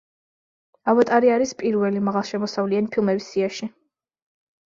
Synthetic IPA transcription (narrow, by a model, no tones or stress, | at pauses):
avat̪ʼaɾiaɾispʼiɾvɛlimaʁalˠʃɛmɔsavlianipʰilˠmɛbisiaʃi